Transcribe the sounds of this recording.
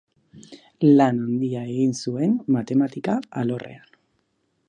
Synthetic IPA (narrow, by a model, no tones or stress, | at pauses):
lanand̪iae̞ɣinsue̞nmat̪e̞mat̪ikaa̰lo̞re̞̰an